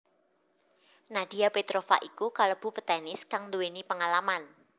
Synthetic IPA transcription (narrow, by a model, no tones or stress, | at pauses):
nad̥iapet̪ɾofa̰ʔikukaləb̥ṳpət̪ɛnɪskaŋld̪uwenipəŋalaman